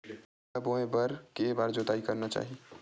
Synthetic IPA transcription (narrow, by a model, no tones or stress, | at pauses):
aboẽbəɾkebaːɾd͡ʒot̪aːikəɾnat͡ʃa̰ːɦi